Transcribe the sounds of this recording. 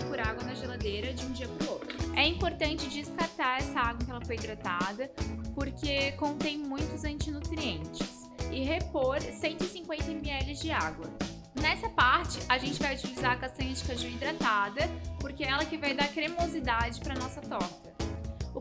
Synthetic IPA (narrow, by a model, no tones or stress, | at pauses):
pʊɾaɡwɐnɐʒelad̪ejɾɐd͡ʒɪũd͡ʒiɐpɾʊɾot̪ɾʊɛĩmpoɾt̪ɐ̃nt͡ʃɪd͡ʒɪskaɾt̪aɾɛsɐaɡwɐ̃kɪɛlɐfojid̪ɾat̪ad̪ɐpoɾkekõnt̪ẽj̃mũj̃t̪ʊzɐ̃nt͡ʃɪnut̪ɾiẽnt͡ʃɪs | ɪɦepoɾsẽnt̪ʊɪsĩŋkwẽnt̪ɐmiɛlɪzd͡ʒɪaɡwɐ | nɛsɐpaɾt͡ʃɪʔaʒẽnt͡ʃɪvajut͡ʃilizaɾɐkast̪ɐ̃j̃ɐd͡ʒikaʒuid̪ɾat̪ad̪ɐpoɾkeɛlɐkɪvajd̪aɾkɾemozid̪ad͡ʒɪpɾɐnɔsɐt̪ɔkɐʊ